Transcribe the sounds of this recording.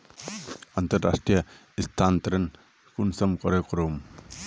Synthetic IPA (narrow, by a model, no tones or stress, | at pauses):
ant̪ɐɾːa̰sʈɾijɐ | ist̪ʰant̪ɐɾen | kunsɐmkɔɾekɔɾom